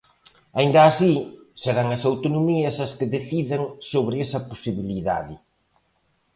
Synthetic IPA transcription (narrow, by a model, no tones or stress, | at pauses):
aind̪ɐːsi | seðaŋɐsawt̪onomiɐsɐskeðeθiðeŋsoβɾɪesɐposiβiliða̰ðɪ